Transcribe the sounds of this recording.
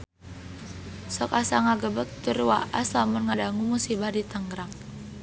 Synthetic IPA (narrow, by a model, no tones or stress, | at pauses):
sɔkasaŋaɡəbək̚t̪uɾuwa̰ʔaslamʊnŋadaŋumusibahdit̪aŋɡɾaŋ